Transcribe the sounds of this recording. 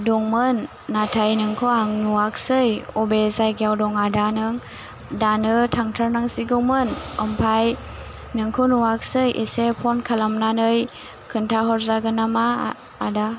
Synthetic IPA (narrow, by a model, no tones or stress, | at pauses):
dɔŋmɯnː | atʰajnɯŋkʰɯaŋnuaksɯjɔbezajɡjawdɔŋadanɯŋ | danɯtʰaŋtʰaɾnaŋsiɡɯmɯnɔmpʰaj | nɯŋkʰunuwak̚sɯjʔesepʰɔnkʰalamnanɯj | kʰɯntʰaɦɔɾzaɡɯnama̰ː | da